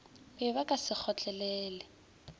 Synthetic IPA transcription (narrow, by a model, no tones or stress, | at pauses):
bɪbakʼasɪk͡xʰɔt͡ɬʼɛlɛːlɛ